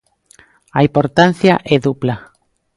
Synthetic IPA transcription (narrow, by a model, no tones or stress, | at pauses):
aimpoɾt̪an̟θjaʔɛðupla